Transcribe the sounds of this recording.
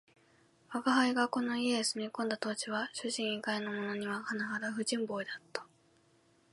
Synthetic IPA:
βakaɦaiɡako̞no̞iesɨmʲikõ̞nd̪at̪o̞ːt͡ɕiβaɕɨʑĩɰ̃iɡainomo̞no̞ɲ̟iβahanahad̪aɸɯ̟d͡ʑĩmbo̞ːid̪at̪ːḁ

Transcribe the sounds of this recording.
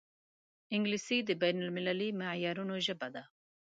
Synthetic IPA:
ɪŋɡlisid̪əbajnalmɪlalimɪʕjaɾunoʒəbad̪a

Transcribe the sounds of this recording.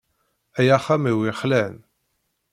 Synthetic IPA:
æjæχæmiwiχlæn

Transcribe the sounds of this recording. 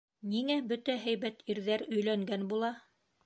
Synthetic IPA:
niŋæbɵt̪æɦæjβæt̪ʰiɾðæɾɵ̆jlæŋɡænbulˠɑ

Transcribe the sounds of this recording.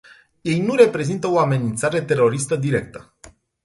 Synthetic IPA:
je̞jnuɾe̞pɾe̞zint̪əoame̞nint̪saɾe̞t̪e̞ɾo̞ɾist̪əd̪iɾe̞k̚t̪ə̥

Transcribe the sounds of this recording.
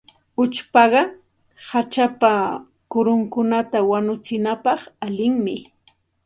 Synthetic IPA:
ʊt͡ʃpɑɢɑ | hat͡ʃapa | kʊɾʊŋkʊnat̪awanʊt͡sɪnapɑχalɪŋmɪ

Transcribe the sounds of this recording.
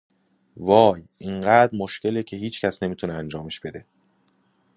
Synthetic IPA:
vɒːjʔiɴɢæːd̪ɾmoʃce̞lecʰe̞ɦiːt͡ʃʰcʰæsne̞miːt̪ʰuneænd͡ʒɒːme̞ʃb̥e̞d̪e̞

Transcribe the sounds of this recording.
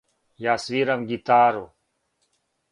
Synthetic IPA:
jaːswiːɾɐmɡit̪aːɾo

